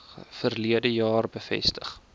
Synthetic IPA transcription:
fərliədəjɑːrbəfɛ̰stəχ

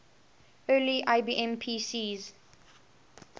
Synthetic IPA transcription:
ɜːliʔaɪbiːʔɛ̃mpʰiːsiːz

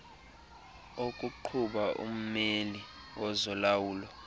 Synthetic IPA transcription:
okʼuǃʰuɓaʔṵm̩meli | wɔzɔlawuːlɔ

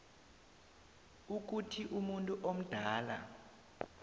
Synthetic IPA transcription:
uk̬utʰiʔumuntʼuʔom̩d̥ʱaːla̰

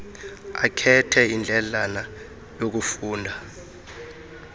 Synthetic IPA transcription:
a̰kʰɛtʰɛind͡ɮʱɛlana | jok̬ufuːndʱa

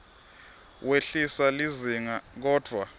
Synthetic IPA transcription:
weɬisaliziŋak̬ɔːd̥ʱwa

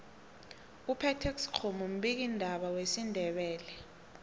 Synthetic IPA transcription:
upʰɛtʰɛk̬si̥kʰomum̩ɓik̬indʱaɓawesindʱɛɓɛːlɛ

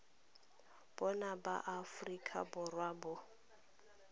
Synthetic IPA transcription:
b̥ɔnaba̰ʔafrikʰʼa̰bʊrwaːbʊ

